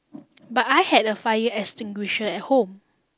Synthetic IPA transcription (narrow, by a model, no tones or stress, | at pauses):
batajhɛdəfajəʔɛkstɪ̃ŋɡwiʃə̃nɛt̚hõm